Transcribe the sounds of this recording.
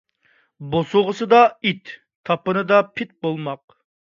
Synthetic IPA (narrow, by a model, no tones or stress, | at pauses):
bosʊʁəsɨd̪ɑit̪ʰː | ɑpɨnɨd̪ɑpʰɪt̪̚bolˠmɑq̚